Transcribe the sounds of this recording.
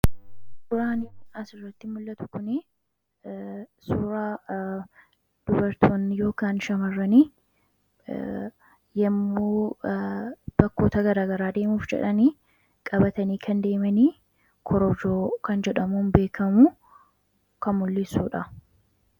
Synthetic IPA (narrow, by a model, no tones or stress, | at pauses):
ʊɾaːnɪʊʔasɪrːɐt̪ːɪmʊlːɐt̪ʊ̥kʊnɪ | suːɾaː | d̪̥ʊbɐɾt̪ʰoːnːɪjo̞ːkaːnʃɐmɐrːɐniː | jɐmːuː | b̥ɐkːo̞ːt̪ɐɡɐɾaːɡɐɾaːd̪e̞ːmuːfd͡ʒɛ̰ᶑɐniː | kʼɐbɐt̪ɐniːkʰɐnd̪e̞ːmɐniː | kʰɔɾɔd͡ʒoːkɐnd͡ʒɛᶑɐmunbe̞ːkʰɐmu | kɐmʊlːɪsuːᶑɐ